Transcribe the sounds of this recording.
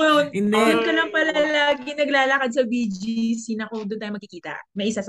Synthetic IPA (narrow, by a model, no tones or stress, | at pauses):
nd̪jɐnkɐlɐŋpɐlalaːɡɪnɐɡlaːlɐkad̪̚sɐbid͡ʒisinɐkod̪ʊnt̪aːjomɐɡkɪkiːt̪ɐ̰mɐʔɪsasɐ